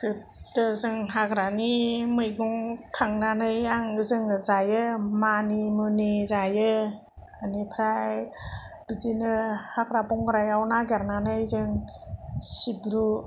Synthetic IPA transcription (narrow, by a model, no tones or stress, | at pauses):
kʰɯ | dɯzɯŋɦakɾanimɯjɡɔŋtʰaŋnanɯjaŋɯzɯŋɯzajɯmanimɯnizajɯ | anipʰɾajj | b̥izinɯhaɡɾabɔŋɡɾajawnaɡeɾnanɯjzɯŋ | sibɾu